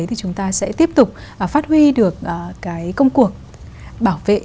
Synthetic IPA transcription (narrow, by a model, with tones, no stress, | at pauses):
ə˨˦jt̪ʰi˨˩t͡ɕʊ˨˦ŋ͡mt̪aː˧sɛ̰˧˥t̪i˦˥əp̚t̪ʊ˨˩k͡p̚ʔfaː˦˥t̚hwi˧ɗɨ˨˩ək̚ʔːkaː˨˦jkə˧wŋ͡mku˨˩ək̚ | ɓaː˧˩wvḛ˧˨